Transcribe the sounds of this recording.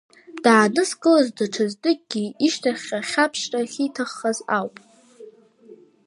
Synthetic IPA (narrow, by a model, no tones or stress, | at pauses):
d̥aːnɨskʼɨlazdaʈ͡ʂʰazdɨk̚ʼɡ̥ʲiiʃtʰaχʲaχʲapʰʃtʼaχʲitʰaχːaza̰wpʼ